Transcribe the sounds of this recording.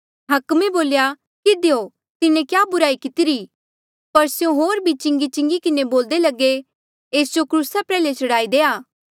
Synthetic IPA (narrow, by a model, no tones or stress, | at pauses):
ɦɐkmeboːlja | kɪd̪ejo | t̪ɪnẽkjaːbʊɾaːikɪt̪ɪɾi | pɐɾsjõɦoːɾbʱit͡ʃɪ̃ŋɡit͡ʃɪ̃ŋɡikɪneboːld̪elɐɡe | eːsd͡ʒokɾuːsapɾɛːlet͡ʃɐɽaːid̪eːaː